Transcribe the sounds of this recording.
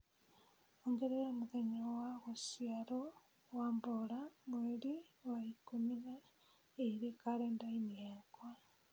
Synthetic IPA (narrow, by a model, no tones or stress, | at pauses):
oŋɡeɾeɾomuɣeɲowaɣusiaɾo | wambolamweɾiwaikumina | eɾekaɾeːndainiekwa